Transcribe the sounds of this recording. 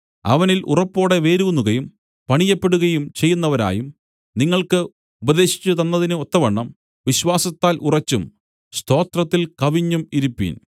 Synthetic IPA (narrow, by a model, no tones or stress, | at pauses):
ɐ̰ʋɐnilʔṵrɐpːo̞ːɽe̞ʋe̞ːɾuunːuɣɐjum | pɐɳijɐpːe̞ɽuɣɐjumt͡ɕe̞jːunːɐʋɐɾa̰ːjum | niŋːɐɭkɨ | ubɐðe̞ːɕi̥t͡ɕːut̪ɐnːɐðinɨot̪ːɐʋɐɳːɐm | ʋiɕʋaːsɐt̪ːaːlʔurɐt͡ɕːum | st̪ʰo̞ːt̪rɐt̪ːilkɐʋiɲːumiɾupːḭn